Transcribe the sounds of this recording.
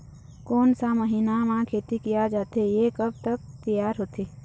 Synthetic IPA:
koːnsaməɦiːnamãkʰeːt̪ikijad͡ʒaːt̪ejekəb̚t̪ək̚t̪əjaːɾɦoːt̪ʰeː

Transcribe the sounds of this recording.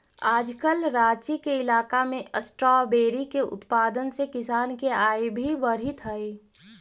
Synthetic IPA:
aːd͡ʒkəlɾaːt͡ʃikeɪlaːkamẽʔəsʈɾɔːbeːɾikeʊ̰t̪paːd̪ənsekɪsaːnkeaːebʱiʋəɾɦɪt̪ɦɐe

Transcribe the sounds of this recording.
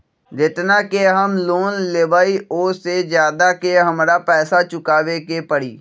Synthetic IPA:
d͡ʒɪt̪nakeɦəmloːnleːbaːioːsezjaːd̪akeɦɐmɾapɛːsat͡ʃʊkaːʋekepəɽiː

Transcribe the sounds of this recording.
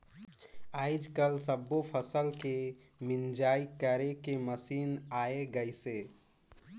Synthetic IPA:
aːɪd͡ʒkəlsəbːopʰəsəlke | mɪnd͡ʒaːikəɾekeməsiːnaːeɡəɪseː

